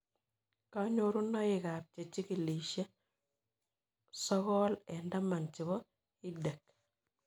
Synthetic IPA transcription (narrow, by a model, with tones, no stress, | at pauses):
kaɲoɾu˦na˦ɪ˨ka˨p̚t͡ʃe˨t͡ʃi˦ki˨liʃe˦ | sɔ˦ɣɔlɛnda˦ma˨nt͡ʃɪ˨βɔ˦ | i˦de˨k̚